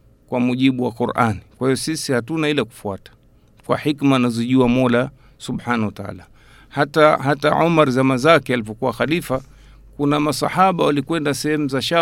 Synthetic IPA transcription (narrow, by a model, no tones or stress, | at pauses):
kwamuʄiɓuwakuɾʔa̰nikwahiɔsisihatunailaku̥fuatḁ | kwa̰ħikmaːnazɔʄuamɔla | suɓħanawataa̰la | hatahataʕumaɾzamazakɛalivɔkuwaxalifa | kunamasa̰ħaɓawalikwɛndasɛhɛmuzaʃa